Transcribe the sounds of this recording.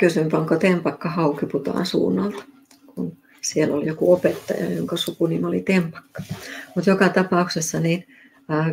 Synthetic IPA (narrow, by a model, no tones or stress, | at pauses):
kysympɑŋkot̪empɑkːɑhɑukiput̪ɑ̰ːˑnsṵːnːɑlt̪ | kun | sielːoljokuopet̪ːɑ̰jɑ̰joŋkɑsukunimolit̪empɑ̥kːɑ̥mut̪jokɑt̪ɑpɑuksesːɑniːnː